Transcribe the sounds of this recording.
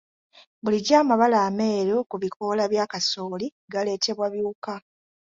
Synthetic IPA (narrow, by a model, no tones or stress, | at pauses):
buliɟaːmaβalaːme̞ːɾukuβikʰo̞laβjaːkasoːli | ɡale̞ːte̞βwaβjuːka